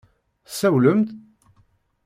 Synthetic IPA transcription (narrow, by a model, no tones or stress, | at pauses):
sæwləmt̪